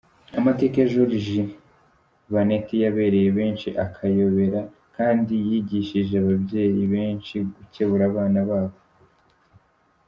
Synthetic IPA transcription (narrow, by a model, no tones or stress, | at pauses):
amate̞keʒuɾiʒi | βanetijaβe̞ɾe̞jeβe̞ːnʃiʔakʰajoβe̞ɾa | kaːndijiɟiʃiʒeaβabje̞ːjiβe̞ːnʃiɡuce̞βuɾaβaːnaβaːβo